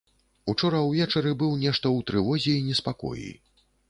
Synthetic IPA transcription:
ut͡ʂɔɾɐwvʲɛt͡ʂɐɾɨbɨwnʲɛʂt̪ɐwt̪ɾɨvɔzʲɛːnʲɛspakɔ̰jḭ

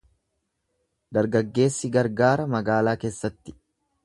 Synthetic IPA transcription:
d̪ɐɾɡɐɡːe̞ːsːɪɡɐɾɡaːɾɐmɐɡaːlaːke̞ːsːɐt̪ːɪ̥

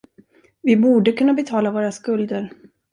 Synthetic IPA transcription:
vɪbuːɖəkʰɵnːabɛt̪ʰɑːlavoːɾaskɵld̪əɾ

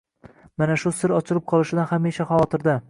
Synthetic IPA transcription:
manaʃʊsɪɾɒt͡ʃʰɪɾɪp̚qʰɒlˠɪʃɪd̪anhameʃaχavɒt̪ʰɪɾd̪a

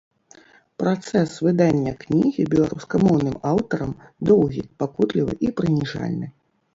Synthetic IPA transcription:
pɾat̪sɛsvɨd̪anʲːɐknʲiɣʲibʲɛlˠaɾuskɐmɔwnɨmawt̪ɐɾɐmd̪ɔwɣʲḭpakut̪lʲivɨ̰ʔipɾɨnʲiʐa̰lʲnɨ

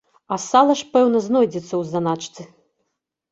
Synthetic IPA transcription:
ɐsalˠɐʂpɛwnɐznɔjd͡zʲɛt̪sːɐwzd̪anat͡ʂt̪sɨ

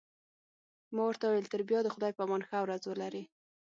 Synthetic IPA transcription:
mɑwəɾt̪awawelt̪əɾbjɑd̪əxʊd̪ɑjpəamɑnxəawɾazwəlaɾi

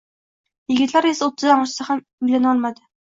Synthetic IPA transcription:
jɪɡʲɪt̪laɾe̞saot̪ʰːɪzd̪amɒʃɪsaham | ʊjlanɒlˠmad̪ɪ

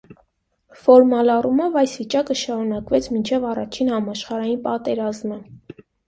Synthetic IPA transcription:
fɔɾmɑlɑrumɔvɑjsvit͡ʃɑkəʃɑɾunɑkvɛt͡sʰmint͡ʃʰɛvɑrɑt͡ʃʰinhɑmɑʃχɑɾɑjinpɑt̪ɛɾɑzmə

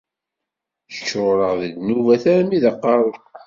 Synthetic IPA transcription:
çə̥çːɾʊɾəʁðid̪nuvæθæɾmiðəqːɑɾˤo

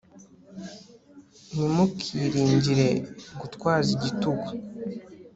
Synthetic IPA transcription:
nimukʰiɾiːɲɟiɾe̞ɡutkwaːziɟituɡwa

